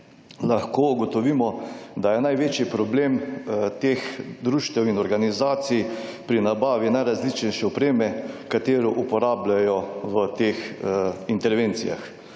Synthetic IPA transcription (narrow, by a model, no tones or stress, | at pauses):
laxkoːuɡɔt̪ɔʋiːmɔd̪ajɛnajʋeːt͡ʃipɾɔbleːmt̪eːxd̪ɾuːʃt̪ɛwinɔɾɡanizaːt̪sijpɾinabaːʋinajɾazlit͡ʃnɛjʃɛɔpɾeːmɛkat̪eːɾɔʔupɔɾaːblajɔʋət̪eːxint̪ɛɾʋeːnt̪sija̰x